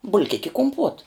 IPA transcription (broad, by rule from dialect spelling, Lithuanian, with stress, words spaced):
bʊlʲˈkʲɪkʲ ɪ kʊmˈpuɔt